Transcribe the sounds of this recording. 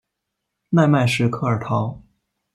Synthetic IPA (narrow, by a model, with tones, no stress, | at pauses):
na˥˧ɪma˥˧ɪʂɻ̩˥˧kʰɤ˥˧ə˞˨˩t̪ʰɑ˧˥ʊ